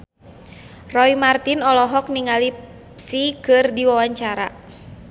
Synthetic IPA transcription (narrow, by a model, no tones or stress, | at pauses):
rɔimart̪inɔlɔɦɔk̚niŋalip | sikɨrdiwawaɲt͡ʃaɾa̰